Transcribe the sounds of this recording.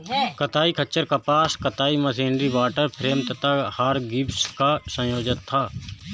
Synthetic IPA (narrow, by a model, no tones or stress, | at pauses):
kɐt̪aːikʰɐt͡ʃːəɾkɐpaːskɐt̪aːimɐsiːnɾiʋaːʈəɾpʰɾeːmt̪ət̪ʰahaːɾɡɪpskasə̃joːd͡ʒənt̪ʰːaː